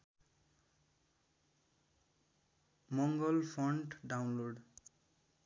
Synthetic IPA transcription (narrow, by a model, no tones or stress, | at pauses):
mɔŋɡɔlpʰɔɳʈɖawnloɖ